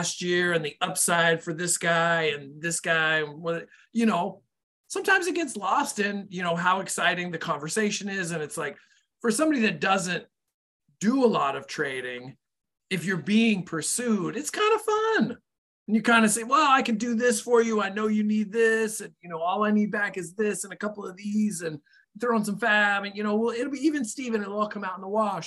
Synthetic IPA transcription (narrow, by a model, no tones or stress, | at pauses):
st̚jɪɹɨ̃nðiʔʌpsaɪd̥fə˞ðɪsɡ̥aɪɨ̃nðɪsɡ̥aɪɨ̃nwʌð | jɨñoʊ | sʌ̃mtʰãɪ̃mzɨt̚ɡ̥ɛtslɔstɪ̃njɨñoʊɦaʊɨksaɪɾɪ̃ŋðɨkʰɑ̃ɱvə˞seɪʃɨ̃nɪzɨ̃nɨtslaɪk | fə˞sʌ̃mbɑɾiðɨt̚d̥ʌzɨ̃n | d̥əəlɔɾʌv̥tʰɹ̥eɪɾɪ̃ŋ | ɨfjə˞biɪ̃ŋpʰə˞sʉɾɨtskʰãɪ̃ndəfʌ̃ñ | n̩jə˞kʰãɪ̃ndɨseɪ̃wɛlˠaɪkɨdɨðɪsfə˞jɨaɪnoʊjɨnid̪̚ðɪsɨ̃njɨnoʊɔlˠaɪnid̚bækɨzðɪsɨ̃nɨkʰʌpl̩ˠʌvðizɨ̃n | θɹoʊə̃nsʌ̃ɱfæmɨ̃njɨñoʊwɪlˠɪɾl̩ˠbiivɨ̃nstivɨ̃nɨɾlɔlˠkʰʌ̃maʊɾn̩ðəwɑʃ